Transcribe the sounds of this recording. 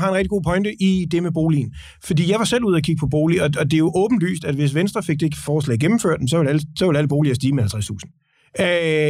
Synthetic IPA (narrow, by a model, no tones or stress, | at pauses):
hɑ̈e̝nʁɛɡd̥iɡ̥o̝̰ːpʰɒ̽ɪnd̥əʔid̥e̝meb̥o̝ːlḭːn | fɒ̽d̥ḭːjɑ̈ɪʋɑ̈sel̰uð̞̰ˠɐkʰiɡ̥̚pʰɒ̽b̥o̝ːliɒ̽ɒ̽d̥e̝jo̝ʔɔ̽ːb̥n̩d̥ʋy̰ːsd̥æd̥ʋe̝s̬ʋensd̥ʁɐfe̝ɡ̥̚d̥ee̝ɡ̥əfɒːslɛ̰ɪɡ̥emm̩føɐd̥emsɒ̽ʋe̝læləsɒ̽ʋelæləb̥o̝ːliɐsd̥iːmehælt͡sʰast͡sʰṵːsn̩